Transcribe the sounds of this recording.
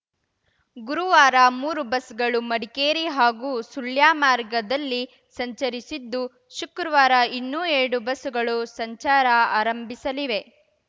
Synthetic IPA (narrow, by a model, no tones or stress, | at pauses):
ɡuɾuʋaːɾɐmuːɾubɐsɡɐɭumɐɽikeːɾiɦaːɡuːsuljaːmaːɾɡɐd̪ɐlːi | sɐɲt͡ʃɐɾisid̪ːu | ʃukɾɐʋaːɾɐinːuːeːɽubɐsuɡɐɭusɐɲt͡ʃaːɾɐaːɾɐmbʱisɐliʋe̞